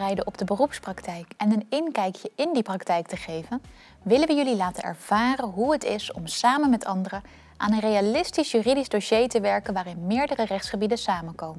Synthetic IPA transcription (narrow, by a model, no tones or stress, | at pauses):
rɛjdəʔɔb̚dəbərupsprɑktɛjkɛnənɪnkɛjkjəʔɪndiprɑktɛjk̚təχejvən | ʋɪlənʋəjɵlilaːtənɛ̰ɹv̥aːrənɦuɦətɪsɔmsaːmənmɛtʰɑndərə | ʔa̰ːnənrejalɪstisjyridizdoʃejtəʋɛɹkənʋaːrɪnmɪːɹdərərɛχtsχəbidənsaːmənkowmən